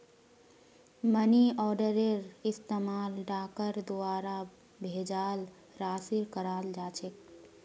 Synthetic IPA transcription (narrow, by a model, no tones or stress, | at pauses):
məniɔːɖəɾeɾɪst̪emaːlɖaːkəɾd̪oaːɾa | bʱed͡ʒaːl | ɾaːsiɾkəɾaːld͡ʒaːt͡ʃʰek̚